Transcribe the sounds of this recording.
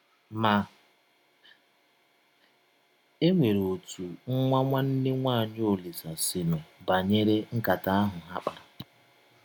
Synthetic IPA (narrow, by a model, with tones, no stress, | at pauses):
ma˨ | e˦ŋʷe˨ɾo˨tu˨ŋ̩˦ŋʷa˦ŋʷa˦n̩˦nɪ˦ŋʷa˦a˨ɲ˦o˨li˨sa˨si˨me˨ba˨ɲe˦ɾe˦ŋ̩˦ka˨ta˦a˦ɦʊ˨ɦa˦k͡pa˨ɾa˨